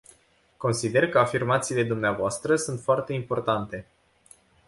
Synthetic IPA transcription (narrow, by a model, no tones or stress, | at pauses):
ko̞nsid̪e̞rkəafirmat̪siːle̞d̪umneavoast̪ɾəsunt̪foart̪e̞impo̞rt̪ant̪e̞